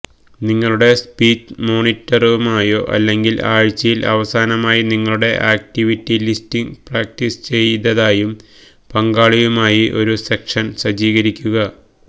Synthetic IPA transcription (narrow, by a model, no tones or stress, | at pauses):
niŋːɐɭuɽe̞spiːt͡ɕːmo̞ːnitːɐruumaːjoʔɐ̰lːe̞ŋɡilaːɻt͡ɕːɐjilɐ̰ʋɐsaːnɐmaːjiniŋːɐɭuɽe̞ʔaːk̚tiʋitːilistiŋɡpraːk̚tist͡ɕejt̪ːɐðaːjum | pɐŋɡaːɭiɣumaːjiʔo̞ɾusekʂɐnɕɐd͡ʑiːɣɐɾikʲːuɣɐ